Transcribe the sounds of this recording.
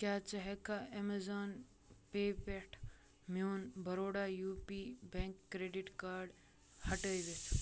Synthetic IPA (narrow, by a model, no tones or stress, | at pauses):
kjaːt͡ʃɐɦekaemezaːn | pepeʈʰ | moːnbʱɐɾoːɽajuːpibẽŋkːɾeːɖiʈkaːɾɖ | hɐʈəjʋet͡ʃ